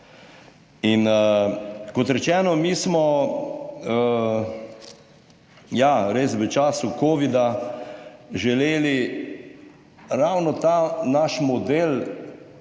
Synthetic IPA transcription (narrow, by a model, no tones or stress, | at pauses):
in | kɔt̪ɾɛt͡ʃɛːnɔmiːsmɔ | jaɾeːsʋət͡ʃaːsukoːʋid̪a | ʒɛleːli | ɾawnɔt̪anaʃmɔd̪eːl